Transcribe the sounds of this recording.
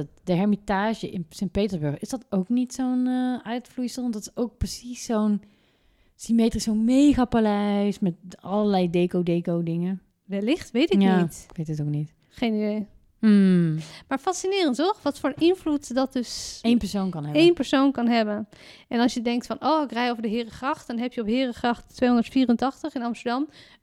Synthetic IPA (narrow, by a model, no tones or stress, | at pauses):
dəɦɛɹmitaːʒəʔɪnsɛnt̚pejtəzbøɹχɪsd̥ɑtowknitsownœɥtflujsəlˠɔndɑtɪsowk̚prəsisːown | simeːtrisownmejɣapalɛjsmɛtɑləɹlɛjdeːkowdejkowdɪŋə | ʋɛlɪχtʋejtɪjaːitkʋejtətowk̚nit | χejnidej̩ | maːɹfɑsinɪːrəntɔχʋɑtfʊːɹənɪnvlutdɑt̚døsejnpəɹsownkɑnɦɛejnpəɹsownkɑnɦɛbən | ʔɛnɑlˠsjədɛŋk̚tfɑnoːɪkrɛjowvəɹdəɦɪːrəχrɑχtdɑnɦɛpjəɔpɦɪːrəχrɑχttːʋejɦɔndəɹtfiːrəntɑχtəχɪnɑmstəɹdɑm